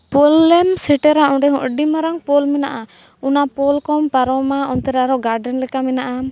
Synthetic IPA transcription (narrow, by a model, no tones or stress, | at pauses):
pɔlːɛmsɛʈɛɾaɔ̃ɖɛɦɔ̃ʔɖimaɾaŋpɔlmɛnaʔa | unapɔlkɔmpaɾɔmaɔnt̪ɛɾaɾɔɡaɾɖɛnlɛkamɛnaʔa